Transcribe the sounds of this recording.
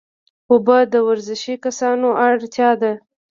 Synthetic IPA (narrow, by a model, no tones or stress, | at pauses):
ʊbəd̪əwaɾzɪʃikasɑnoʔaɽt̪jɑd̪a